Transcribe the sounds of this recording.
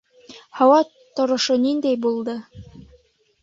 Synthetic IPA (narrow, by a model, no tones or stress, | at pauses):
hɑwɑ | t̪ŏɾŏʃonind̪æjbulˠd̪ɤ